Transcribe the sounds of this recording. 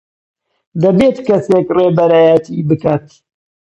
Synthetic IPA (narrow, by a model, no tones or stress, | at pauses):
d̪ɐbet̪kɐseːkreːbɐɾaːjət̪ʰibɨkaːt̪